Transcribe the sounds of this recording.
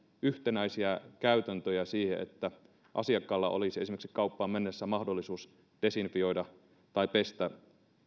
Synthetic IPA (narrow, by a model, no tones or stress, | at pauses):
yht̪enæisiækæyt̪ænt̪øjæsiːhḛʔḛt̪ːæ | ʔɑ̰siɑkːɑlːɑʔo̰lisiesimeksi̥kɑupːɑːmmenːesːæmɑhdolːisuːs | d̥esinfio̞idɑ | t̪ɑipest̪æ